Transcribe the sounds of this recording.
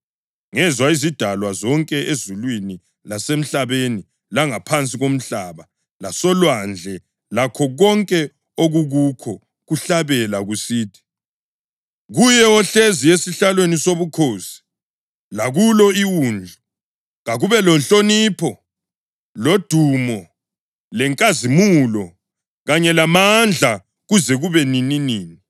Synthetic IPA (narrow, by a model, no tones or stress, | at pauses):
ŋɛzwaizid̥ʱalwazɔŋkʼɛʔezulwini | lasem̩ɬaβeni | laŋapʰant͡sʼiɣom̩ɬaβa | lasɔlwand͡ɮʱɛ | lakʰɔɣɔŋkʼɛ | oɣuɣukʰɔ | ɣuɬaβɛlaɣusiːtʰi̥ | ɣujɛɔɬeziesiɬalwenisoβukʰoːsi̥ | laɣulɔiwuːnd͡ɮʱu | ɣaɣuβɛlɔnt͡ɬʼoniːpʰɔ | lod̥ʱumɔ | lɛŋkʼazimulɔ | ɣaɲɛlamand͡ɮʱa | ɣuzɛɣuβɛnininiːni